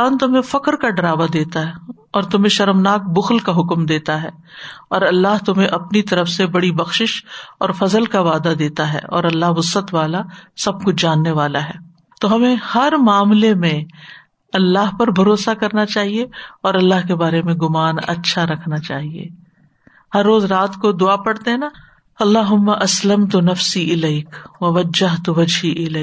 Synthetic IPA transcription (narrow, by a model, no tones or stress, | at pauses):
ant̪ʊmẽfɐkɾkaɖɐɾaːʋad̪eːt̪aɦɛ | ɔːɾt̪ʊmẽʃɐɾəmnaːk̚bʊxlkaɦʊkmd̪eːt̪aɦɛː | ɔːɾɐlːaɦt̪ʊmɦẽʔɐpnit̪ɐɾəfsebɐɽibɐxʃɪʃɔːɾfɐzəlkaʋaːd̪ad̪eːt̪aɦɛ̰ːʔɔ̰ːɾɐlːaɦʋʊsət̪ʋaːlasɐb̚kʊt͡ʃʰd͡ʒaːnːeʋaːlaɦɛː | t̪oːɦɐmẽhɐɾmaːmlemẽ | ɐlːaɦpɐɾbʱɐɾoːsakɐɾnat͡ʃaːɦieɔːɾɐlːaɦkebaːɾemẽɡʊmaːnɐ̰tːʃʰaɾɐkʰnat͡ʃa̰ːɦiḛː | hɐɾːoːzɾaːt̪kod̪ʊapɐɽt̪eɦɛna | ɐlːaːɦʊmːaʔɐsləmt̪ʊnɐfsiɪlɐɪkʋɐʋɐd͡ʒəɦt̪ʊʋɐd͡ʒɦiʔɪlɛː